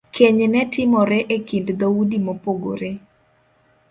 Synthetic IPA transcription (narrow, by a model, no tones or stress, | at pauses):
kʰeɲnɛtɪmɔɾɛʔekindd̪oudimopoɡo̰ɾe